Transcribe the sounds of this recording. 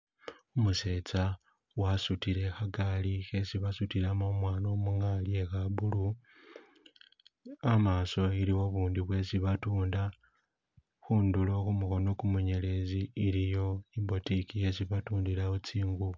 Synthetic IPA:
umuse̞ːt͡sa | wasutiɾe̞xaɡalixe̞siβasutilamomwaːno̞muŋalie̞xabulu | amaːso̞iliwo̞βuːndiβwe̞siβatuːnda | xuːndulo̞xumuxo̞no̞kumuɲe̞le̞ziːɾijo̞imbo̞tikije̞siβatuːndilaut͡siːŋɡu

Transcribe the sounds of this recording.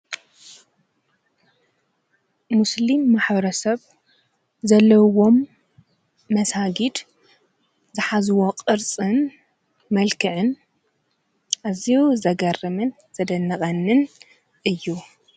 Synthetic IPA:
muslimːaħbɐɾɐsɐβ | zɐlːɐwo̞m | ɐsaɡid̪ | zɨħazɨwoqʼɨɾt͡sʼɨn | mɐlkʰɨʕɨn | ʔaziuzɐɡɐrɨmɨn | z̥ɐd̪ɐnːɐkʼɐnːɨn | ʔɨjːu

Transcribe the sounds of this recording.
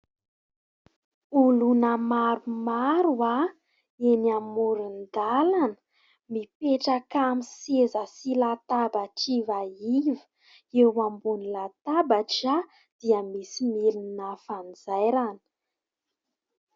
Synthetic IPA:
ulunəmaɾumaɾua | enamuɾund̪alanə̥ | mipeʈ͡ʂakamisezəsilat̪abaʈ͡ʂivaivə | ewambunilat̪abaʈ͡ʂa | d̪̥iəmisimilninafand͡zajɾanə̥

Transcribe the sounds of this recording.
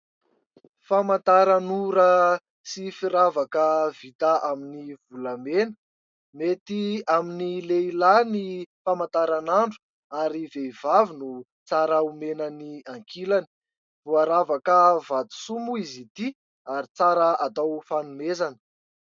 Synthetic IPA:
famant̪aɾanuɾə | sifiɾavakəv̥it̪aʔaminiv̥ulamenə̥ | met̪iaminileilanifamant̪aɾanaɳɖ͡ʐu̥ | aɾivevavinu | t͡saɾaumenəniaŋkʰilani̥ | v̥uaɾavakəvat̪u̥sumuizit̪i | aɾit͡saɾəat̪awfanumezanə̥

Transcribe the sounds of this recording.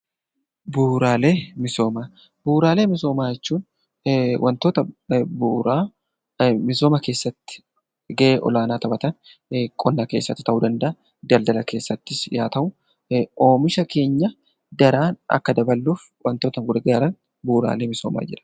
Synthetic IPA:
buːɾaːleːmɪso̞ːmaː | buːɾaːle̞ːmɪso̞ːmaːjɛt͡ʃːuːn | wʔɐnt̪oːt̪ɐbuːɾaː | mɪso̞ːmɐke̞ːsːɐt̪ːɪ̥ | ɡɐʔeːʔɔ̰laːnaːt̪ɐbɐt̪ɐn | kʼɔnːɐke̞ːsːɐ̰t̪ːɪ̥t̪ɐʔuːd̪ɐnd̪ɐʔɐ | d̪ɐld̪ɐlɐke̞ːsːɐt̪ːɪsjaːt̪ɐʔʊ | ʔo̞ːmɪʃɐke̞ːɲːɐ | d̪ɐɾaːnɐ̰kːɐd̪ɐbɐlːuːf | wʔɐnt̪o̞ːt̪ɐŋɡʊɾɡaːɾɐn | buːɾa̰ːle̞ːmɪso̞ːma̰ːd͡ʒɪɾɐ̥

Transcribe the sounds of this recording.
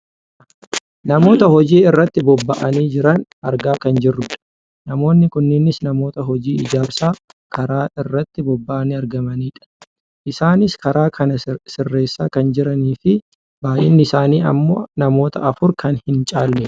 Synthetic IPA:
nɐmo̞ːt̪ɐhɔd͡ʒiːɪrːɐt̪ːɪbɔbːɐʔɐniːd͡ʒɪɾɐnɐɾɡaːkɐnd͡ʒɪrːʊᶑɐ̥ | nɐmo̞ːnːɪkʊnːɪnɪsnɐmo̞ːt̪ɐɦɔd͡ʒiːɪd͡ʒaːbsaːkʰɐɾaːɪrːɐt̪ːɪbɔbːɐʔɐniːɐɾɡɐmɐniːᶑɐ̥ | ʔɪsaːnɪskɐɾaːkʰɐnɐsɪrːe̞ːsːaːkɐnd͡ʒɪɾɐniːfɪ | baːjɪnːɪɪsaːniːɐ̰mːo̰ːnɐmo̞ːt̪ɐ̰ʔɐfʊɾkɐnhɪnt͡ʃʼaːlːɛ

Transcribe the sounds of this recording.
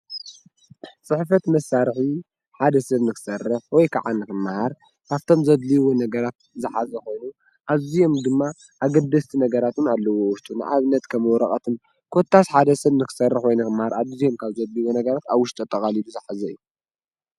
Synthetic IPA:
t͡sʼɨħfɐt̪mɐsːaɾħi | ħad̪ɐsɐβnɨkɨ̥sɐrːɨħwɔjkʰa̰ʕanːɨkɨmːahaɾ | kʰaβt̪ʰo̞mzɐd̪liwonɐɡɐɾat̪̚ | zɨħazɐko̞jnu | ʔaβzijo̞md̪ɨmːa | ʔaɡɐd̪ːɐst̪ʰinɐɡɐɾat̪unalːɐwowʊʃt̪ʼuna̰ʔaβɨnːɐt̪kʰɐmwɔɾɐχʼɐt̪ʰɨn | kʰot̪ʰːasħad̪ɐsɐβnɨkɨ̥sɐrːɨħwojnɐkɨmːahaɾaβzijo̞mkʰaβzɐd̪liwonɐɡɐɾat̪aβwʊʃt̪ʼut̪ʼːɐkʼaliluzɨħazɐɨjːu

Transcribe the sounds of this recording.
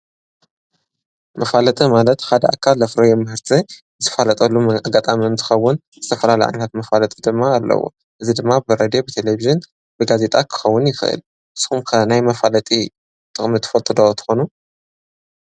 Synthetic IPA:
mɐfalɐt̪ʼɨmalɐt̪had̪ɐʔakʰːalɐfɾɐjomɨhɨɾt̪ʰɨ | ɨt̪ʰɨ̥falɐt̪ʼɐlːumaɡat̪ʼamiɨnt̪ʰɨ̥xɐwːʊn | zɨt̪ʰɐfɐlalɐjʔa̰jɲɐt̪ʰat̪mɐfalɐt̪ʼid̪ɨmːaːlːɐ̰wo̰ | ʔɨzid̪ɨmːabɨɾed̪ijo̞bɨt̪ʰeleviʒɨn | bɨɡaze̞t̪ʼakʰɨ̥xɐwːʊnjɪxɨʔɨ̰l | ʔɨsxumkʰɐnajmɐfalɐt̪ʼi | t̪ʼɨχʼmɨt̪ʰːɨ̥fɐlt̪ʼɨd̪ot̪ʰɨ̥xonu

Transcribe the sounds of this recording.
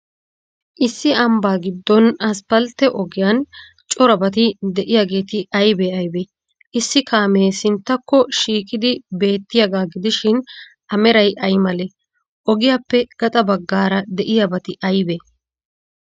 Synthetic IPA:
ʔɪsːɪɐmbaːɡɪd̪ːɔnɐspɐlt̪ːɛʔɔɡɪjɐn | t͡ʃʼɔɾɐbɐt̪̬ɪd̪ɛʔɪjaːɡe̞ːt̪ɪɐjbeɐjbe | ʔɪsːɪkʰaːmeːsɪnt̪ːɐkːɔʃiːkʼɪd̪ɪbe̞ːt̪ːɪjɐɡaːɡɪd̪ɪʃɪn | ʔɐmɛɾɐjʔɐjmɐle | ʔɔɡɪjaːpːɛɡ̥ɐt̪ʼɐbɐɡːaːɾɐd̪ɛʔɪjɐbɐt̪ɪʔɐjbeː

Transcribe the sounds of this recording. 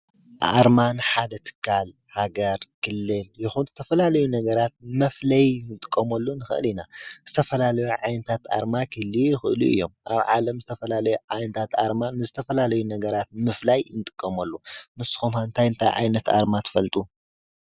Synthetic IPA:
ʔa̰ɾmanħad̪ɐt̪ʰɨ̥kʰːal | haɡɐɾkʰɨlːɨljɪxunzɨt̪ʰɐfɐlalɐjunɐɡɐɾat̪̚mɐflɐjnɨt̪ʼɨkʼːɐmɐlːunɨxɨ̰ʔɨ̰linazɨt̪ʰɐfɐlalɐjuʕajnɐt̪ʰat̪a̰ɾmakʰɨlːijɪxɨʔɨluɨ̰jːo̞mʔa̰βʕalɐmzɨt̪ʰɐfɐlalɐjuʕajnɐt̪ʰat̪aɾmanːɨzɨt̪ʰɐfɐlalɐjunɐɡɐɾat̪̚mɨflajnɨt̪ʼɨkʼːɐmɐlːunɨsɨ̥xomaɨnt̪ʰajɨnt̪ʰa̰jʕa̰jnɐt̪a̰ɾmat̪ʰɨ̥fɐlt̪ʼu

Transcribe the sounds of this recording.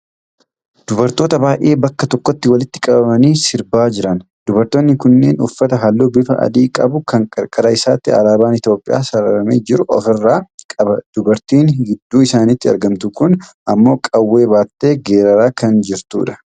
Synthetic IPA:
d̪̥ʊbɐɾt̪o̞ːt̪ɐbaːjʔe̞ːbɐkːɐt̪ɔkːɔt̪ːɪwɐlɪt̪ːɪ̥kʼɐbɐmɐniːsɪɾbaːd͡ʒɪɾɐn | d̪ʊbɐɾt̪oːnːɪkʊnːe̞̰ːnʊfːɐt̪ɐɦɐlːoːbɪfɐʔɐ̰d̪iːkʼɐbʊkɐŋkʼɐɾkʼɐɾɐɪsaːt̪ːɪɐ̰laːbaːnɪt̪jo̞ːpʼɪja̰ːsɐɾɐɾɐmeːd͡ʒɪɾʊʔɔ̰fɪrːaːkʼɐbɐd̪̥ʊbɐɾt̪iːnhɪd̪ːuːɪsaːnɪt̪ːɪɐ̰ɾɡɐmt̪ʊkʊnʔɐmːo̞ːkʼɐwːe̞ːbaːt̪ːe̞ːɡeːɾɐɾaːkɐnd͡ʒɪɾt̪ṵːᶑɐ̥

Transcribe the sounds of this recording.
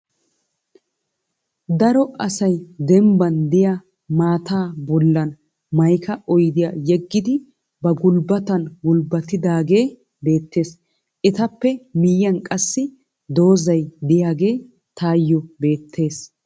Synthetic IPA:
d̪ɐɾɔʔɐsɐjd̪ɛmbɐnd̪ɪja | maːt̪aːbɔlːɐn | mɐjkʰɐʔɔjd̪ɪjaːjɛɡːɪd̪ɪ | bɐɡʊlbɐt̪ɐnɡʊlbɐt̪ːɪd̪aːɡe̞ː | be̞ːt̪ːe̞ːs | ʔɪt̪ɐpːɛmɪjːɐnkʼɐsːɪ | d̪o̞ːzɐjd̪ɪjaːɡe̞ː | t̪aːjːɔbe̞ːt̪ʰːe̞ːs

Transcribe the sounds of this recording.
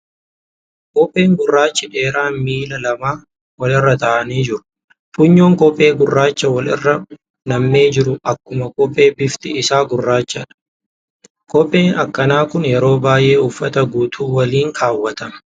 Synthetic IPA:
kɔpʼːe̞ːŋɡʊrːaːt͡ʃːɪᶑe̞ːɾaːnmiːlɐlɐmaː | wɐlɪrːɐt̪ɐːʔɐniːd͡ʒɪɾʊ̥ | fʊɲːo̞ːŋkɔpʼːe̞ːɡʊrːaːt͡ʃːɐwɐlɪ̰rːɐ | nɐmːeːd͡ʒɪɾʊʔɐkːʊmɐkʼɔpʼːe̞ːbɪft̪ɪɪsaːɡʊrːaːt͡ʃːɐᶑɐ̥ | kɔpʼːe̞ːnɐkːɐnaːkʊnjɛɾo̞ːbaːjʔe̞ːʊfːɐt̪ɐɡuːt̪ʰuːwɐliːŋkʰaːwːɐt̪ɐmɐ̥

